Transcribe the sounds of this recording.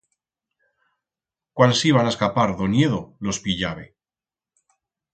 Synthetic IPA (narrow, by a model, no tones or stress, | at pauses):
kwansiβ̞anaeskapaɾðo̞ne̞ðolo̞spiʎaβe